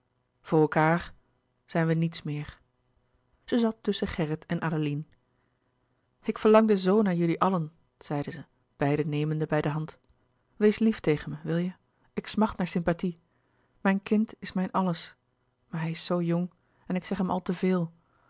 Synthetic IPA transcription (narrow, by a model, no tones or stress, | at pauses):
v̥ʊːɹɛlˠkaːɹ | z̥ɛjnʋənitsmɪːɹ | z̥əzɑtːɵsəχɛɹətɛnʔaːdolin | ɪkfəɹlɑŋdəzownaːɹjɵliʔɑlən | z̥ɛjdəzə | b̥ɛjdəneːməndəbɛjdəɦɑnt | ʋejsliftejχənməʋɪlˠjə | ɪksmɑχtnaːɹsɪmpati | mɛjnkɪntɪsmɛjnɑləs | maːɹɦɛjɪsowjʊŋ | ɛnɪksɛχɦɛmɑ̰lˠtəvɪːlˠ